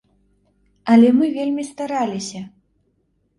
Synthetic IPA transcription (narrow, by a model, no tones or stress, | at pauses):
ɐlʲɛmɨvʲelʲmʲist̪aɾalʲisʲɐ